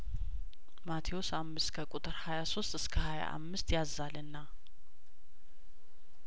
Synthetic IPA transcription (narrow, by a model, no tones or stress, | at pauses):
mat̪ʰijo̞samːɨskʰəkʼut̪ʼɨɾhajaso̞st̪ʼɨskʰəhaja̰ʔa̰mːɨst̪ʰjazːalɨnːa